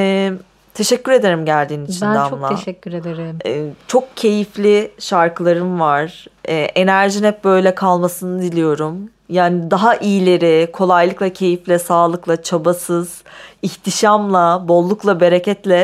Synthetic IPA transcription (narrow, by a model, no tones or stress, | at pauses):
ɛ | t̪ʰe̞ʃɛcːyɾe̞d̪eɾimɟælʲd̪iːnit͡ʃʰinɛammlˠayɾed̪eɾɛt͡ʃʰo̞k̚cʰe̞jiflʲiʃaɾkɯlˠaɾɯnvaɾ̥ɛːʔe̞næɾʒinhɛp̚bø̞jlʲɛkʰalˠmasɯnɯd̪ilʲijo̞ɾum | jaːnid̪aɦaʔijlʲe̞ɾɪkʰo̞lˠajlˠɯklˠacʰe̞jiflʲɛsaːlˠɯklˠat͡ʃʰabasɯz̥içt̪ʰiʃamlˠabo̞lˠːuklˠabe̞ɾecʰɛt̪lʲɛ